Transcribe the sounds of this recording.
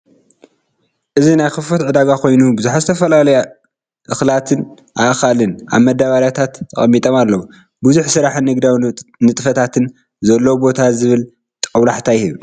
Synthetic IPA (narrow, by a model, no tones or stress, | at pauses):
ʔɨzinajxɨfot̪ʕɨd̪aɡakʰo̞jnubɨzuħazɨt̪ʰɐfɐlalɐja | ʔɨxlat̪ʰɨn | ʔaʔxalɨnʔa̰βmɐd̪aβaɾjat̪ʰat̪ʰːɐ̰χʼɐmːit̪ʼomalːɐwu | buzuħsɨɾaħnɨɡd̪awnɨt̪ʼfɐt̪ʰat̪ʰɨn | zɐlːobo̞t̪ʰazɨβɨl | t̪ʼɐwlaħt̪ʰajhiβ